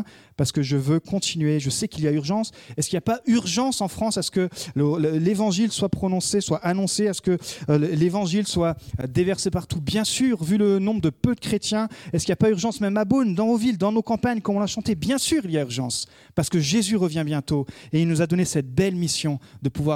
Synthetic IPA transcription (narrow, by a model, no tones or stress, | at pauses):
paʁsə̥kəʒəvøkɔ̃t̪ʰinɥeʒəsɛkiljayʁʒɑ̃sɛskʲiljapayʁʒɑ̃sɑ̃fχɑ̃sasə̥kəlllevɑ̃ʒilswapχɔnɔ̃seswaʔanɔ̃seasə̥kəlevɑ̃ʒilswad̪evɛʁsepaʁt̪ubjɛ̃syːʁvylənɔ̃bʁd̪əpød̪əkχet̪jɛ̃ɛskʲiljapayʁʒɑ̃smɛmːabond̪ɑ̃novild̪ɑ̃nokɑ̃paɲkɔmɔ̃naʃɑ̃t̪ebjɛ̃syʁiljayʁʒɑ̃s | paʁsəkəʒezyʁəvjɛ̃bjɛ̃t̪oeilnuzad̪ɔnesɛt̪̚bɛlmisjɔ̃d̪əpuvwa